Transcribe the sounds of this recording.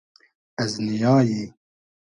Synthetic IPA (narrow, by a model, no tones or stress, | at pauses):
ɛznijaːji